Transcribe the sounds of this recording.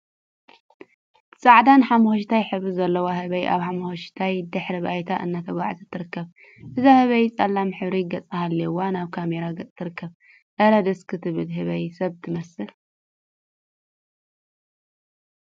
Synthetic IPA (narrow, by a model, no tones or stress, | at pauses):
sʼaʕd̪anħamɐxoʃt̪ʰajħɨβɾɨzɐlːɐwahɨβɐjʔa̰βħamxoʃt̪ʰajd̪ɨħɾɨβajt̪ʰaʔɨnːat̪ʰɐɡʷaʕzɨt̪ʰːɨɾɨkːɐβ | ʔɨzahɨβɐjt͡sʼɐlːamħɨβɾiɡɐt͡sʼahalːɐwanaβkʰameɾaɡɐt͡sʼt̪ʰɨɾɨkːɐβ | ʔɐɾɐd̪ɐskʰɨt̪ʰɨβɨlɦɨβɐjsɐβt̪ʰɨmɐsɨ